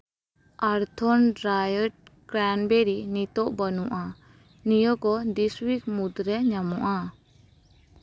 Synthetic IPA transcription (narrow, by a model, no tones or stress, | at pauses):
aɾt̪ʰɔnɾajəʈ̚ɡɾanbeɾinit̪ɔʔbənuʔa | nijɔkɔd̪iswik̚mud̪ɾɛɲamuʔa